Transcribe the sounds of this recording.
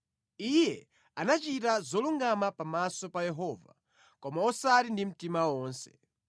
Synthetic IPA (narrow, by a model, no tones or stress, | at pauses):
ijɛ | anat͡ʃitazɔluŋɡamapamasɔpajɛɦɔːva̰ | kɔmaɔsaɾindim̩timawɔːnsɛ̥